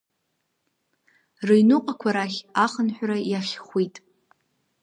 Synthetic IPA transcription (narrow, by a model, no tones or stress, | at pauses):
rejnuqʼakʷʰaɾaχʲaχənħʷᶣrajaχʲχʷwitʼ